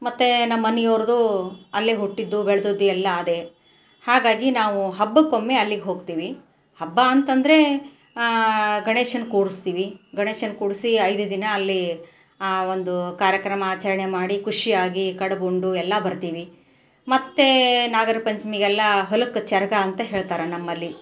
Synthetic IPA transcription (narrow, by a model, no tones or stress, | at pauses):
mɐt̪ːe̞nɐmːɐnijoːɾɐd̪uɐlːiɦuʈːid̪ːubɛɭɐd̪ud̪ːuɛlːɐːd̪e̞ | haːɡaːɡinaːʋuɦɐbːɐko̞mːeɐlːiɡeɦo̞ːɡ̚t̪iːʋi | hɐbːaːnt̪ɐnd̪ɐɾe̞ | ɡɐɳeːʂɐnkuːɽust̪iːʋiɡɐɳeːʂɐnkuːɽsiɐjd̪ud̪inɐːlːi | o̞nd̪ukaːɾjɐkɾɐmɐːt͡ʃɐɾɐɳemaːɽikuʂijaːɡikɐɽɐboɳɖuɛlːɐbɐɾt̪iːʋi | mɐt̪ːe̞naːɡɐɾɐpɐɲt͡ʃmiɡɛlːɐɦolɐkːt͡ʃɛɾɡɐːnt̪ɐɦe̞ːɭt̪aːɾɐnɐmːɐlːi